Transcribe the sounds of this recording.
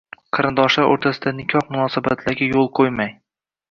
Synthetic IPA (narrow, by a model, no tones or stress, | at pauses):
qʰɨɾɪnd̪ɒʃlaɾo̰ɾt̪ʰasɪd̪anɪkʲʰɒhmʊnɒːsaba̰t̪ʰlaɾɡʲajolˠqʰojmaj